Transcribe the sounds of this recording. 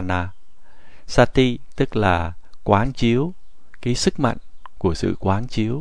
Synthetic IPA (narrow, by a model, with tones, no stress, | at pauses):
naː˧ | saː˧t̪i˧t̪ɨ˦˥k̚laː˨˩kwaː˨˦nt͡ɕi˨˦əw | kaiː˨˦sɨ˦˥k̚mə̰˧˨jŋ̟ | ku˧˩əsɨ̰˧˨kwaː˨˦nt͡ɕi˨˦əw